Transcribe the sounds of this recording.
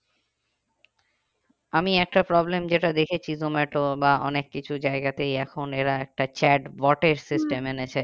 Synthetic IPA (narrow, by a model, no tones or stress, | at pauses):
amiɛk̚ʈapɾɔblemd͡ʑeʈad̪ekʰet͡ɕʰizomɛʈobaɔ̰nekːit͡ɕʰud͡ʑaeɡat̪ejɛkʰoneɾaɛk̚ʈat͡ɕɛɖbɔʈeɾsisʈemenet͡ɕʰe